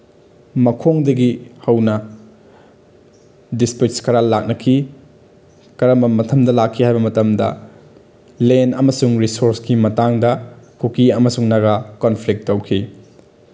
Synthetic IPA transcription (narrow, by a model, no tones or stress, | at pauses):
mɐkʰoŋdɐɡihɐwnɐ | dispit͡ʃskɐɾalak̚nɐkʰi | kɐɾɐmbɐmɐtʰɐmdɐlakʰːihajbɐmɐtɐmdɐ̰ | lenɐmɐsuŋɾisoɾskimɐtaŋdɐkʰukiɐmɐsuŋnɐɡakonpʰlik̚ttːowkʰi